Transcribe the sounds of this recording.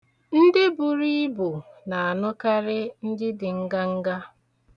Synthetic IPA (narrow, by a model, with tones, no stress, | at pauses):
n̩˦dɪ˦bʊ˨ɾi˦bʊ˨na˨a˨nʊ˦ka˦ɾɪ˦n̩˦dɪ˦dɪ˨ŋ̩˦ɡa˦ŋ̩˦ɡa˦